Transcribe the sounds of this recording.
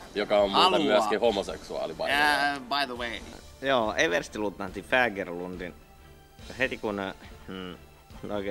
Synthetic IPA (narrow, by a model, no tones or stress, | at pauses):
jokɑommːlt̪ɑmyækihomosḛksuɑ̰ːliʋɑ̰bajðəwejoːeʋerst̪ilut̪ːɑnt̪ːifæːɡerlund̪in | het̪ikunː | oike